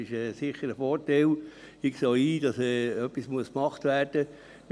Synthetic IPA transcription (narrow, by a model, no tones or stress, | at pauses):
ɪʃɛːsɪχːəɾəfɔtɛl | ɪksoːiːd̥ɑsɛːœpːismuəskmɑχt̪ʋæːrd̥ə